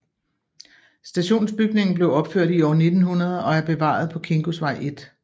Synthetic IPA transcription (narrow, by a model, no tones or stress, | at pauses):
sd̥æɕo̝̰ːnsb̥yɡ̥ne̝ŋn̩b̥le̝ʊɒ̽b̥føɐ̰d̥iɒ̰ːne̝d̥n̩hunɐð̞ˠɒ̽æɐb̥e̝ʋɑ̰̈ð̞ˠpʰɒ̽kʰe̝ŋɡ̥osʋɑ̈ɪ̰ʔe̝d̥